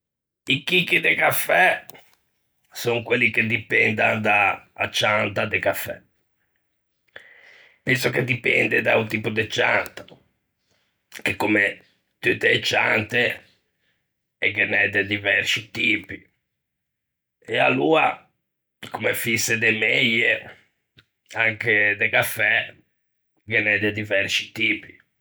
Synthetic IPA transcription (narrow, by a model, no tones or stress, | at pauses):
ikikːid̪ekafɛ | soŋkwelːiked̪ipɛnd̪and̪a̰ːt͡ʃːant̪ad̪ekafːɛ̰ | pɛnsoked̪ipɛ̰nd̪ed̪aut̪iːpud̪et͡ʃa̰nt̪ḁ | kekːome | t̪ut̪ːeːt͡ʃːant̪e | ɛkːenɛd̪ed̪ivɛɾsit̪iːpi | ɛalːuːa | kumefised̪emejːe | aŋked̪ekafːɛ | ɡenɛd̪ɛd̪ivɛɾsi̥t̪iːpi